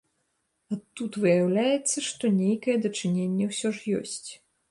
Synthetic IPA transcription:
ɐt̪ːut̪vɨjawlʲajɛt̪sːɐʂt̪ɔnʲejkɐjɛd̪ɐt͡ʂɨnʲenʲːɛwsʲɔʐjɔ̰sʲt͡sʲ

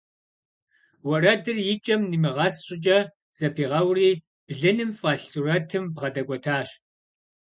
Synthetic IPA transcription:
wɔrɐdɨrjɪt͡ʃʼɐmnimɨʁɐsɕʼɪt͡ʃʼɐ | z̥ɐpʰiːʁɐwriː | b̥ɮɐnɨmfʼaːɬt͡surɐtʰɨmbʁɐdɐɡʷɔtʰaːɕ

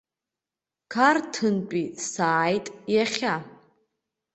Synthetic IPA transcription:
kʰartʰɨntʷʼisaːjtʼjaχʲa

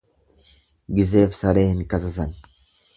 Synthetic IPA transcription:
ɡɪzeːfsɐɾeːhɪnkɐs̬ɐsɐn

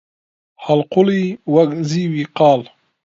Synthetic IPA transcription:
hɐlqʊliwɐɡziwiqɑːl

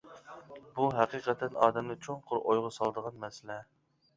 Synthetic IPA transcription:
buɦæqiːqɛt̪ʰɛnɑːd̪ɛmnɨt͡ʃʰoŋqʰʊɾʔojʁʊsɑlˠd̪əʁɑnmɛsɪlɛ

